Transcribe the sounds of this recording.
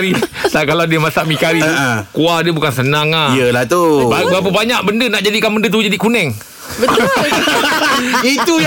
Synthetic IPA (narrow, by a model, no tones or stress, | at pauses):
ɾit̪akalawdiəmasaʔmikaɾĩkuahdiəbukansənaŋaiəlat̪uababap̬əbaɲaʔ̚bəndənaʔd͡ʒadikanbəndət̪̬ud͡ʒadikunɛŋ | bət̪ | it̪u